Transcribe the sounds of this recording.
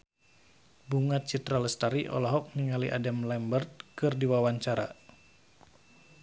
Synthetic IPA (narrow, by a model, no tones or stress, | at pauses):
buŋat̪̚t͡ʃit̪ɾaləst̪aɾiʔɔ̰lɔɦɔk̚niŋaliʔadamlɛmbərt̪̚kɨrdiwawaɲt͡ʃaɾa̰